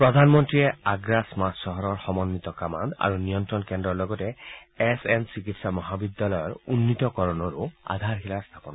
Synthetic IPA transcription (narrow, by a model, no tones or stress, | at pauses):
pɾɔd̪ʱanmɔnt̪ɾieaɡɾasmassɔɦɔɾɔɾxɔmɔnːit̪ɔkama̰nd̪a̰ɾunijɔnt̪ɾɔnkendɾɔɹlɔɡɔteesensikitsamɔɦabid̪jalɔjɔɾunːit̪ɔkɔɾɔnɔɾua̰d̪ʱaɾɦilaɹst̪ʰapɔnɔ